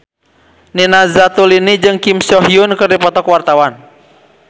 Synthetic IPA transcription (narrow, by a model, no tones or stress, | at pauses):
ninazat̪ulinid͡ʒɨŋkimsɔɦiunkɨrdipɔt̪ɔkwart̪awan